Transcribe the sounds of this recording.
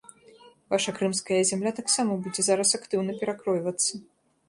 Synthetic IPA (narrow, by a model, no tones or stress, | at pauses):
vaʂɐkɾɨmskɐjɐzʲamlʲat̪aksamɐbud͡zʲɛzaɾɐsakt̪ɨwnɐpʲɛɾakɾɔjvɐt̪sːɐ